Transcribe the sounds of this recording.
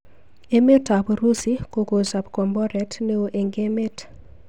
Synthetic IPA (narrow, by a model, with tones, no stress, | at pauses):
e˦me˦ta˨bɾu˦si˦ko˨ɡo˨sa˨bkɔ˨mbɔ˦ɾɛ˦tne˦o˨ʔe˨ŋɡe˦me˦t